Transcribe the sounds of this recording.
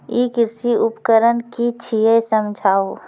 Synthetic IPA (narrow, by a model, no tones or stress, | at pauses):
iːkɪɾsiʊpkəɾənkit͡ʃʰiesəmd͡ʒʱaːo